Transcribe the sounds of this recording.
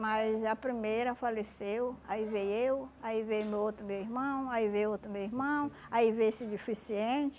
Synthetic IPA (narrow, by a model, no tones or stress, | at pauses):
majzɐpɾimejɾɐfalesewaivejewaivejumewot̪ɾʊmewiɦmɐ̃w̃aivejot̪ɾʊmewiɾmɐ̃w̃ | aivejsɪd͡ʒifisiẽt͡ʃɪ̥